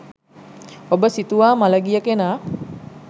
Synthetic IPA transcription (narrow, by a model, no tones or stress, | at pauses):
obəsit̪uʋaːmaləɡijəkenaː